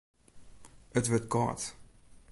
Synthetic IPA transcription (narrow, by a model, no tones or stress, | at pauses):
ətʋət̚kɑ̰t